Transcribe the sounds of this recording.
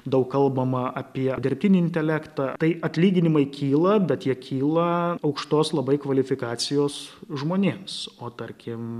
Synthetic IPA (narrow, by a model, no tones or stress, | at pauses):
d̪ɐʊkkɐlˠbɐmɐʔɐpʲiɛd̪ʲɪɾʲp̚ʲt̪ʲɪnʲɪɪnʲt̪ʲɛlʲækt̪ɐt̪ɐɪʔɐt̪ʲlʲiːɡʲɪnʲɪmɐɪkʲiːlˠɐbʲɛt̪jiɛkʲʰiːlˠɐɐʊkʃt̪oːslˠɐbɐɪkʋɐlʲɪfʲɪkɑːt̪sʲɪjoːsʒmoːnʲeːmsoːt̪ɐɾʲkʲɪm